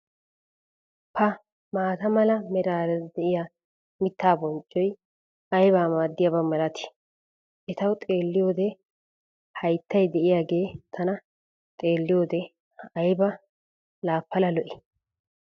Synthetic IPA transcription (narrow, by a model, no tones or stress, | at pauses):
pʰɐ | maːt̪ɐmɐlɐmɛɾaːɾɛd̪ɛʔɪja | mɪt̪ːaːbɔnt͡ʃʼːɔj | ɐjbaːmaːd̪ːɪjɐbɐmɐlɐt̪ɪ̥ | ʔɛt̪ɐwt̪ʼe̞ːlːɪjo̞ːd̪ɛ | hɐjt̪ːɐjd̪ɛʔɪjaːɡe̞ːt̪ʰːɐnɐ | t̪ʼe̞ːlːɪjoːd̪ɛ | ɐjbɐ | laːpːɐlɐlɔʔɪ̥